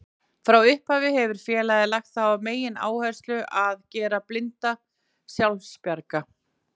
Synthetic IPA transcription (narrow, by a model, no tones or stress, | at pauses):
fɾawʏhphaːvɪhɛvʏɾ̥fjɛːlajðɪlaxt̪θawameːjɪna̰ːwhajrst̪lʏʔaðcɛːɾaplɪnt̪a | sjawlspjaɾka